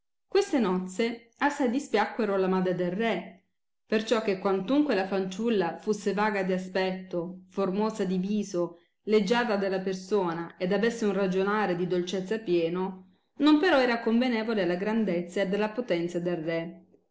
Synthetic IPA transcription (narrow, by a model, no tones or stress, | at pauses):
kwest̪enɔt̪se | asːajd̪ispjakːweɾolamaːd̪ɾed̪elrːɛ | pert͡ʃɔkːekwant̪uŋkwelafant͡ʃulːafusːevaːɡad̪ias̬pɛt̪ːoformoːzad̪iviːzo | led͡ʒːaːt̪ad̪elːapersoːnaed̪avesːeunrad͡ʒonaːɾed̪id̪olt͡ʃet̪sːapjɛːno | nompeɾɔɛːɾakoɱvenɛːvolealaɡɾand̪et̪sːaed̪elːapot̪ɛnt̪sad̪elrɛ